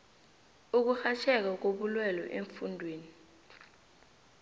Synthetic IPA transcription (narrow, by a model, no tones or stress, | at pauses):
uk̬uxat͡ʃʰɛk̬ak̬oɓulwɛlɔ̰ʔeɱfundʱweːni